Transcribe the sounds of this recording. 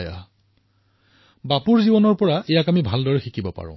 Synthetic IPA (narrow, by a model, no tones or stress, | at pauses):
ja̰ | bapuɹzibɔnɔɹpɔɹaʔejakamibʱaldɔɹɛxikʰibɔpa̰ɹʊ̰̃